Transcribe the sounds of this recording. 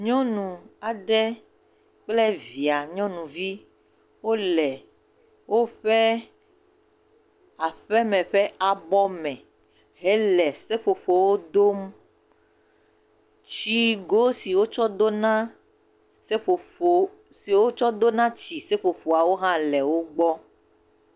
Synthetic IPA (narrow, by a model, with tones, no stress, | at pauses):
ɲɔ̃˦nũ˨a˨ɖɛ˦ | k͡plɛ˦vi˨a˨ɲɔ̃˦nũ˨vi˦ | wo˦lɛ˨ | wo˦ɸɛ˦ | a˨ɸɛ˦mɛ̃˨ɸɛ˦a˨bɔ˦mɛ̃˨ | ɦɛ˦lɛ˨se˦ɸo˨ɸo˨wo˦d̪o˦m | t͡ɕi˦ɡo˦si˨wo˦t͡ʃɔ˦d̪o˦nã˦ | se˦ɸo˨o˨ | si˨wo˦t͡ʃɔ˦d̪o˦nã˦t͡ɕi˨se˦ɸo˨ɸo˨a˨wo˦ɦã˦lɛ˨wo˦ɡ͡bɔ˦